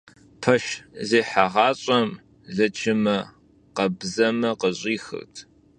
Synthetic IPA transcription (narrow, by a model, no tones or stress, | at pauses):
pʰɐʃzeːħaʁɑːɕʼɐm | ɮɐt͡ʃʰɪmɐ | qɐbzɐmɐqəɕʼiːxɨ̰rtʰ